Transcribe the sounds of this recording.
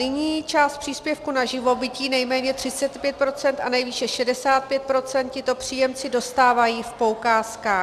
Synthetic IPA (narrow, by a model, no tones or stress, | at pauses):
nɪɲiːt͡ʃaːst̪̚pr̥iːspjɛfkunaʒɪvo̞bɪciːnɛjmɛːɲɛt̪r̥ɪt͡sɛt̪pjɛt̪̚pɾo̞t͡sɛnt̪ʔanɛjviːʃɛʃɛdɛsaːt̪̚pjɛt̪̚pɾo̞t͡sɛnt̪̚cɪt̪o̞pr̥iːjɛmt͡sɪdo̞st̪aːvajiːfpo̞wkaːskaː